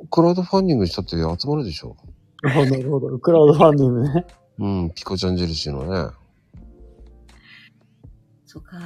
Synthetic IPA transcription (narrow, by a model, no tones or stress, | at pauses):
kɯ̟ɾaɯ̟d̪o̞ɸãɲʲdʲĩŋɡɯ̟ɕi̥t̪at̪ːeat͡sɨmaɾɯ̟d̪e̞ɕo̞̰ː | aɦnaɾɯhod̪okɯɾaɯd̪oɸãɲʲd̪ʲĩŋɡɯne | ɯ̟̃ːpʲi̥kot͡ɕãɲd͡ʑeɾɯ̟ɕino̰nḛ | soka